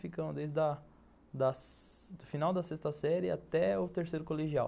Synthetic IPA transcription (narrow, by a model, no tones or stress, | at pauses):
fikɐ̃d̪ejzd̪ɐ | d̪ɐsd̪ʊfinawd̪ɐsest̪ɐsɛɾɪa̰t̪ɛʊt̪eɾsejɾʊkoleʒia̰w